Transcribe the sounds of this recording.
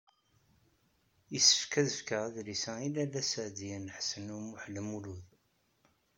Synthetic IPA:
əsːə̥fkæðəfkaðlisæilælæsəʕd̪iənħsənumuħləmuluð

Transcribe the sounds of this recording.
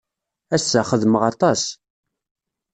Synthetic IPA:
æsːæχəðməʁɑt̪ˤɑs

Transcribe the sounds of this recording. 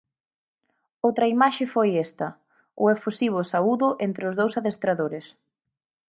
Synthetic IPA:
owt̪ɾɐimaʃɪfojest̪ɐ | ʊefusiβ̞ʊsauðʊʔent̪ɾeʊzðowsaðest̪ɾaðoɾɪs

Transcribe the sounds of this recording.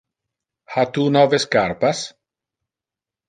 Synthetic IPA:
hat̪uːnɔveskaɾpas

